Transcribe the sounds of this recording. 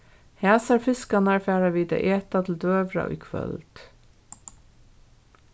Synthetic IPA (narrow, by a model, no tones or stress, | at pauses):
hæːsɑɾfɪskɑnæɹfæːɾɑʋiːd̪ɑ̰ʔeːt̪ɑt̪ʰl̩d̪øːʋɾɑ̰ʔʏ̰kʰʋœ̰lt̪